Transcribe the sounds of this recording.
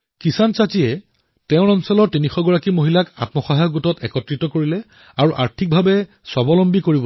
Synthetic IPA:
kisansatijɛ | tɛʊ̃ɹɔnsɔlɔɹtinixɔɡɔɹakimoɦilaka̰tmɔxɔɦajɔɡutɔtɛkɔtɹitɔkoɹilɛ | aɹuʔa̰ɹtʰik̚bʱabɛ | sɔbɔlɔmbikoɹibɔ

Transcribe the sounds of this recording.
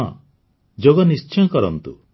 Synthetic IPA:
ɔ̰ | d͡ʒoɡɔnist͡ʃʰjɔ̃kɔɾɔnt̪u

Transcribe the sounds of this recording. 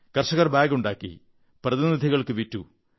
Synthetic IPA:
kɐrʂɐɣɐrbaːɡuɳɖaːkːḭ | prɐðinid̪ʱiɣɐɭkɨʋitːu

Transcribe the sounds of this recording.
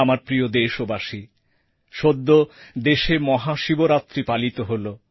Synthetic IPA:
amaɾpɾiod̪eʃobaʃi | ʃod̪ːod̪eʃemɔɦaʃiboɾat̪ːɾipalit̪oɦolo

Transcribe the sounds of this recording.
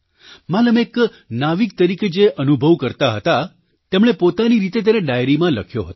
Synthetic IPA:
maləmek | naʋik̚t̪əɾiked͡ʒeʔənubʱəʋkəɾt̪aɦət̪a | t̪emɽ̃epot̪aniɾit̪et̪̬eneɖajɾimãləkʰjoɦət̪

